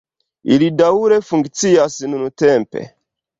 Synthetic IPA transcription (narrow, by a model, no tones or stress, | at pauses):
ḭlidauɾefuŋɡit͡siasinunutɛmpɛ̰